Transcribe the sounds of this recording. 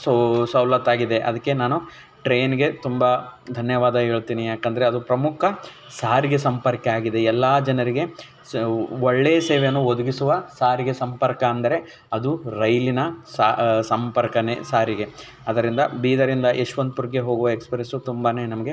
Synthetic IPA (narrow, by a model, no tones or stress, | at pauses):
sɐwlɐt̪ːaːɡid̪e̞ʔɐ̰d̪ɐkːenaːnu | ʈɾeːnɡe̞t̪umbɐd̪ʱɐnjɐʋaːd̪ɐɦe̞ːɭt̪iːnijaːkɐnd̪ɐɾeɐd̪upɾɐmukʰɐ | saːɾiɡe̞sɐmpɐɾkeaːɡid̪e̞ɛlːaːd͡ʒɐnɐɾiɡe | oɭːeːseːʋejɐnːuod̪uɡisuʋɐsaːɾiɡesɐmpɐɾkɐːnd̪ɐɾe̞ | ɐd̪uɾɐjlinɐsasɐmpɐɾkɐne̞saːɾiɡe̞ | ɐd̪ɐɾind̪ɐbiːd̪ɐɾind̪ɐʔeʂʋɐnd̪upuɾɡeɦo̞ːɡuʋɐekspɾesut̪umbane̞ːnɐmɐɡe̞